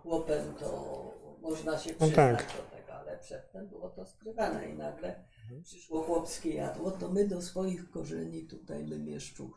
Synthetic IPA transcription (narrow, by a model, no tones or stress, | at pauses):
xwɔpɛmt̪ɔ̰mɔʐnaɕɛpt̪akad͡ʑd̪ɔt̪ɛɡɔalɛpʂɛt̪ːɛmbɘwɔt̪ɔskɾɘvanɛ̰ḭnaɡlɛ | pʂɘʂwɔxwɔpskʲɛja̰d̪wɔt̪ɔmɘd̪ɔsfɔjixkɔʐɛɲit̪ut̪ajmɘmʲjɛʂt͡ʂu